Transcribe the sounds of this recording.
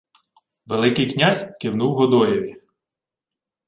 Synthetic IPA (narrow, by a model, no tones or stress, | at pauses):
ʋelˠɪkɪjknʲazʲkɪwnuwɦɔd̪ɔjɔʋʲi